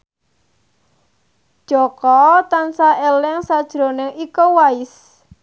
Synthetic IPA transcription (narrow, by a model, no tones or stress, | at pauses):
dd̥ʒ̥ɔkɔt̪ansaelɪŋsad̥ʒ̥ɾo̤nɪŋikowaɪs